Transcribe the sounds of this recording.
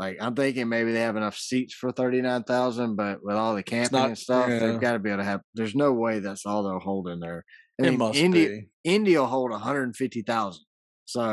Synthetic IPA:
laɪkãɪ̃mθɪ̃ŋkɪ̃ŋmeɪbiðeɪɨvɨnʌfsitsfə˞θɜ˞ɾinãɪ̃nθaʊzə̃nbʌt̚wɪðɔlˠðɨkʰæ̃mɪŋɨ̃nstʌfðeɪɡɑɾɨbieɪbl̩ˠɾɨɨvðə˞znoʊweɪðɨtsɔlˠðoʊhoʊlˠdɪ̃ŋðə˞ | aɪĩnɪ̃ndiɪ̃ndiəɦoʊlˠdəɦʌ̃ndɹə˞dn̩fɪftiθaʊz̃nd̥ | soʊ

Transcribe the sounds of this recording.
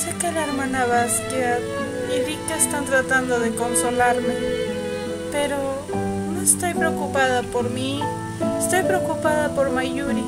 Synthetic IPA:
se̞kelaeɾmãnaβaskja | iβikeest̪ant̪ɾat̪and̪oðeko̞nso̞laɾme | pe̞ɾo | no̞est̪ojpɾeokupaðapoɾmi | est̪ojpɾeokupaðapoɾmajuɾi

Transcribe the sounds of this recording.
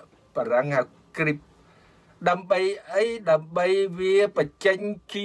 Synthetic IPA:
paraŋhaw | krip̚ | ɗaəmɓəjʔəjɗaəmɓəjʋiəpət͡ɕəɲki

